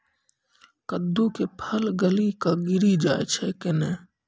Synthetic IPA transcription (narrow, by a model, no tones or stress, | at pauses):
kəd̪ːukepʰəlɡəlikaɡɪɾid͡ʒaːet͡ʃʰɛkene